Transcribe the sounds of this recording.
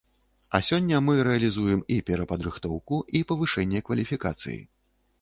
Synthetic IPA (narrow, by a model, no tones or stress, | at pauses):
ɐsʲɔnʲːɐmɨɾɛɐlʲizujɛmipʲɛɾɐpɐd̪ɾɨxt̪ɔwkuipɐvɨʂɛnʲːɛkvɐlʲifʲikat̪sɨ̰jḭ